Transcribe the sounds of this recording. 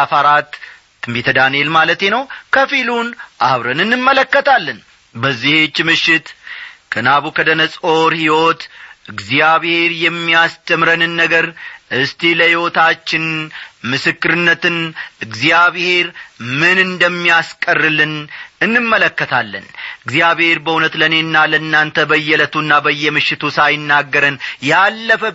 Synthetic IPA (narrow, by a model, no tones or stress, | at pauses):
afaɾat̪ː | ɨmbet̪ʰəd̪anelmalət̪je̞nəwkʰəfilunʔaβɾənɨnːɨmːələkːət̪ʰalːən | bəzːihet͡ʃːmɨʃːɪt̪kʰənaβukʰəd̪ənəsʼo̞ɾhiwo̞t̪ʔɨɡzijaβhe̞ɾjɛmːijast̪ʰəmɾənɨnːəɡəɾʔɨst̪ʰiləhiwo̞t̪ʰat͡ʃːɪnmɨsɨkːɨɾɨnːət̪ɨnʔɨɡzijaβhe̞ɾmɨnɨnd̪əmːijaskʼərːɨlɨnɨnːɨmːələkːət̪ʰalːə̰nɨɡzijaβhe̞ɾbəunət̪ləne̞nːalənːant̪ʰəbəjːɛlət̪uɨnːabəjːɛmɨʃːɪt̪ʰusajɪnːaɡːəɾənjalːəfə